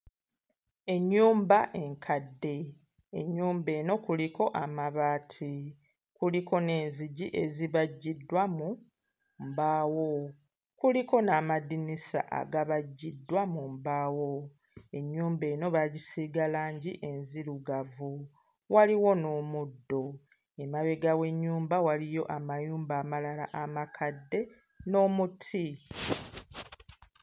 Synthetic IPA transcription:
e̞ɲːuːmbaʔe̞ŋkʰadːe̞ː | ɲːuːmbe̞ːno̞kuliko̞ʔamaβaːtʰi | kuliko̞ne̞ːnziɟiʔe̞ziβaɟːidːwamu | mbaːwo̞ | kuliko̞namadinisa̰ʔa̰ɡaβaɟːidːwamumbaːwo̞ | e̞ɲːuːmbe̞ːno̞βaɟisiɡalaːɲɟiʔe̞nziɾuɡavu | waliwo̞no̞ːmudːo̞ | e̞maβe̞ɡawe̞ɲːuːmbawalijo̞ʔamajuːmbaːmalala̰ʔamakʰadːe̞ | no̞ːmutʰi

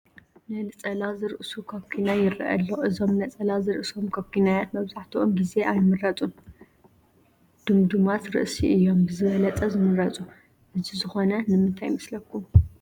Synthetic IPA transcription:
nɐlɨt͡sʼɐlazɨɾɨʔsukʰokʰːinajɪɾɐ̰ʔɐ̰lːoʔɨzo̞mnɐt͡sʼɐlazɨɾɨʔɨso̞mkʰokʰːinajat̪mɐβzaħt̪ʰiʔomɡize̞ʔajmɨɾɐt͡sʼum | d̪̥ɨmd̪umat̪ɾɨ̰ʔsiʔɨjːo̞mbɨzɨβɐlɐt͡sʼɐzɨmɨɾɐt͡sʼu | ʔɨzizɨxo̞nɐnɨmɨnt̪ʰajmɨslɐkːum

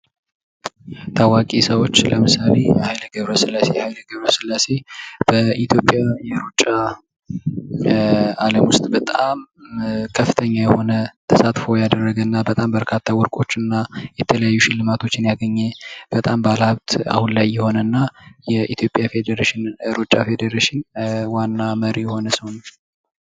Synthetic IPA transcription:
t̪ʰawakʼisəwo̞t͡ʃːləmɨsale̞jhajləɡəβɾəsɨlːasehajləɡəβɾəsɨlːase̞b̥əit̪ʰjo̞pʼjajaɾut͡ʃʼːa | aləmwʊst̪ʼbət̪ʼamkʰəfːɨt̪ʰəɲːajɛho̞nət̪ʰəsat̪fo̞jad̪ərːəɡənːabət̪ʼambəɾkʰat̪ʰːawʊɾkʼo̞t͡ʃːɨnːajɛt̪ʰələjajːuʃɪlːɨmat̪ʰo̞t͡ʃːɪnjaɡəɲːeb̥ət̪ʼambalhaβt̪a̰hunlajːɛho̞nənːajɛʔit̪ʰjo̞pʼjafed̪əɾeʃɪnɾot͡ʃʼafe̞d̪əɾeʃɪnwanːaməɾijɛho̞nəsihon

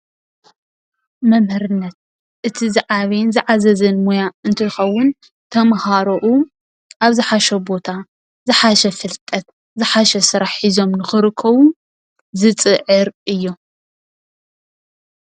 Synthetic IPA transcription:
mɐmhɐɾɨnːɐt̪̚ | ʔɨt̪ʰizɨʕaβenzɨʕazɐzɐnmojaɨnt̪ʰɨxɐwːʊn | t̪ʰɐmhaɾoʔu | ʔaβzɨħaʃɛbo̞t̪ʰa | zɨħaʃɛfɨlt̪ʼɐt̪̚ | zɨħaʃɐsɨɾaħizo̞mnɨxɨɾɨkʰːɐβu | zɨt͡sʼɨʕɨɾʔɨjːo

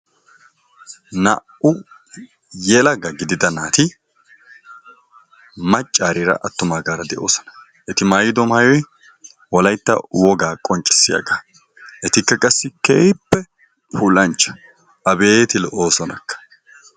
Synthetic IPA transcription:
nɐ̰ʔʊ | jɛlɐɡɐɡɪd̪ɪd̪ɐnaːt̪ɪ | mɐt͡ʃʼːaːɾɪɾɐ̰ʔɐt̪ːʊmaːɡaːɾɐd̪ɛʔo̞ːsɔ̥nɐ̥ | ʔɛt̪ɪmaːjɪd̪ɔmaːjɔj | wɔlɐjt̪ːɐ̰wɔɡaːkʼɔnt͡ʃʼːɪ̥sːɪjɐ̰ɡaː | ʔɛt̪ɪkːɐkʼɐsːɪkeːpːɛ | pʰuːlɐnt͡ʃːɐ̥ | ʔɐbeːt̪ɪlɛʔo̞ːsɔnɐkːɐ̥

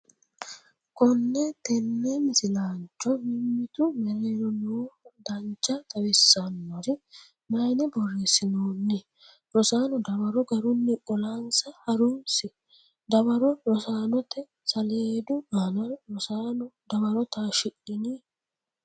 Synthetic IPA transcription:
kɔnːɛt̪ɛnːɛmɪsɪlaːnt͡ʃːɔmɪmːɪt̪ʊmɛɾeːɾɔnuːd̪ɐnt͡ʃːɐt̪ɐwɪsːɐnːɔɾɪ | mɐjnɛbɔrːeːsːɪnoːnːɪ | ɾɔsaːnɔd̪ɐbɐɾɔɡɐɾʊnːɪkʼɔlansɐhɐɾunsɪ | d̪ɐbɐɾɔɾɔsaːnɔt̪ɛ | sɐleːd̪ʊɡanɐɾɔsaːnɔd̪ɐbɐɾɔt̪aːʃɪʔɪni

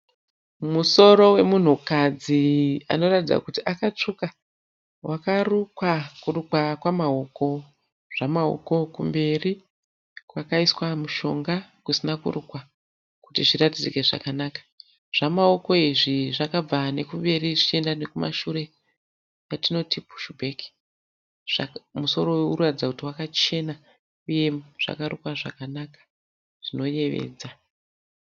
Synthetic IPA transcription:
muso̞ɾo̞we̞mun̤ukad͡zia̰no̞ratid͡za̰kutiʔakat͡ʂuka | wʔakarukwakurukwakwamao̞ko̞ | ʐ̥amaɦo̰ko̞kumbe̞ri | kwakaiswamuʃo̞ŋɡakusinakṵrukwa | kutiʐiratid͡zikeʐa̰kanaːkḁ | ʐ̥amao̞ko̞iʐiʐakab͡vane̞kumbe̞ɾiʐit͡ʃe̞ndane̞kuma̰ʃuɾe̞ | jatino̞tipu̥ʃubʱeki̥ | ʐ̥a̰muso̞ɾo̞weuuratid͡zakutiwakat͡ʃe̞na | uje̞ʐ̥a̰kaɾukwaʐa̰kanakḁ | ʐ̥ino̞je̞ʋḛːd͡za

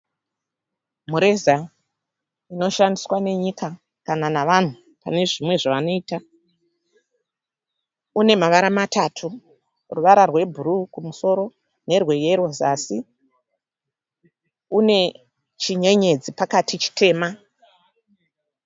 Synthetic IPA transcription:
muɾe̞za | ino̞ʃandiswane̞ɲika | kananaʋan̤u | pa̰ne̞ʐimwe̞ʐaʋano̞iːta | une̞maʋaɾamatatʰu | ruʋaɾarwe̞bʱuɾukumuso̞ɾo̞ | ne̞rwe̞jeɾozasi | une̞ | t͡ʃiɲe̞ɲe̞d͡zipakatit͡ʃi̥tʰe̞ːma

